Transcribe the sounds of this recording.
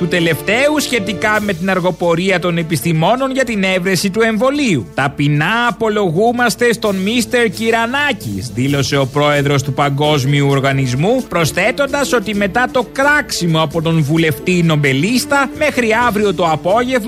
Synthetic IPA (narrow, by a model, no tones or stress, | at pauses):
t̪ut̪e̞le̞ft̪e̞usçe̞t̪ikɐme̞t̪inɐɾɣo̞po̞ɾiɐt̪o̞ne̞pist̪imo̞no̞nʝɐt̪ine̞vɾe̞sit̪ue̞ɱvo̞liut̪ɐpinɐːpo̞lo̞ɣumɐst̪e̞st̪o̞nmist̪e̞ɾciɾɐnɐcḭsðilo̞se̞o̞pɾo̞e̞ðɾo̞st̪upɐŋɡo̞zmiuo̞ɾɣɐnizmupɾo̞sθe̞t̪o̞nd̪ɐso̞t̪ime̞t̪ɐt̪o̞kɾɐksimo̞ɐpo̞t̪o̞nvule̞ft̪ino̞mbe̞list̪ɐme̞xɾiɐvɾio̞t̪o̞ɐpo̞ʝe̞v